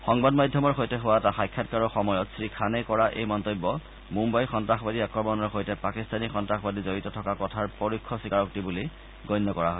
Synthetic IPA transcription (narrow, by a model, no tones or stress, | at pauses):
xɔŋbadmajdʱjɔmɔɹxojtɛɦʊwaɛtaxajkʰːatkaɹɔxɔmɔjɔtsɹikʰanɛkɔɹaʔḛjmɔntobːɔ | mumbajxɔntɹaxbadiakɹɔmɔnɔɹxojtɛpakistanixɔntɹaxbadizoɹitɔtʰɔkakɔtʰaɹpoɹikʰːɔsikaɹɔktibuli | ɡɔjnːɔkɔɹaɦɔj